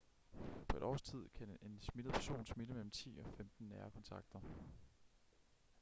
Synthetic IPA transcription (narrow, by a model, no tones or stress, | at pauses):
pʰɒ̽e̝ɾ̥ɒ̰ːst͡sʰið̞̰ˠkʰæe̝nsmidəð̩ˠpʰæɐso̝̰ːnsmiləmel̰m̩t͡sʰḭːɒ̽femd̥n̩ːæːɐkʰɒ̽nt͡sʰɑ̈ɡ̥̚d̥ɐ